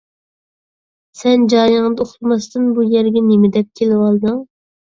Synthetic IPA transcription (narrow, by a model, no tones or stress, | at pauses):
sɛnd͡ʒɑːjɨŋd̪ɨoχt̪ɨmɑst̪ɨnbujɛɾɡʲɛnemɪd̪ɛp̚kʲʰelɪwɑlˠd̪ɑŋ